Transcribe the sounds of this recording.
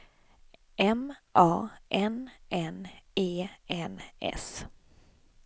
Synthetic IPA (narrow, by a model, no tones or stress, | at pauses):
ʔɛmʔɑːʔɛnʔɛneːɛnʔɛ̰s